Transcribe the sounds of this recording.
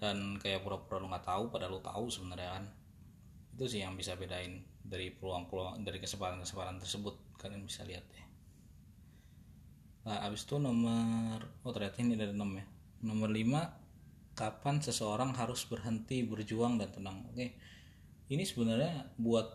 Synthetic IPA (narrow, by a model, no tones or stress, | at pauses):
dankajapuɾapuɾaluŋɡaʔt̪aupadalut̪a̰usəbənarɲakan | it̪usɪhjaŋbisabedaɪndaɾipəɾuaŋpəladaɾikəsəpaɾankəsəpaɾant̪ərsəbʊt̪̚kananbisa̰liɦat̪ja | laʔabɪst̪unomərot̪ərɲat̪ahnidadənəmja | nomərlima | kapansəsəoɾaŋɦaɾʊsbərɦənt̪ibərd͡ʒuaŋdant̪ənaŋo̰ke | inisəbənarɲabuat̪̚